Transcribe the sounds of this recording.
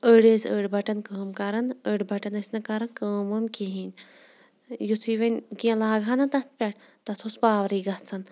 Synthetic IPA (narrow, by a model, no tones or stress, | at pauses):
əɽezəɽbʱɐʈɐnkəːmkaɾɐnəɽbɐʈɐnɐsʲnɐkaɾɐnkəːmɐmkeɦin | jut̪ʰiʋɐnʲkiɐ̃laːɡʱanɐt̪ɐt̪̚pʲaʈ | t̪ɐt̪ʰospaːʋɾiːɡat͡sʰɐn